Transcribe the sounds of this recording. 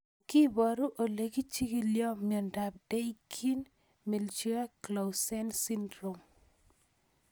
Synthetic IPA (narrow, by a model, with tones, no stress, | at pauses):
kɪ˦bɔ˨ɾu˦ʔo˨le˨ɡi˦t͡ʃi˦ɡi˦ljɔ˦mi˨ɔ˨nda˨b̚de˦i˦kʰi˦n | mi˨lt͡ʃi˦a˦kla˨sɛ˦nsi˦ndɾo˨m